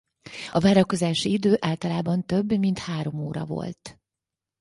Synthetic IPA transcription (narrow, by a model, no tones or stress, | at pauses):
ɒvaːɾɒko̞zaːʃiid̪øːʔaːlt̪ɒlaːbɒnt̪øbːmint̪haːɾo̞moːɾɒ̰vo̞̰lt̪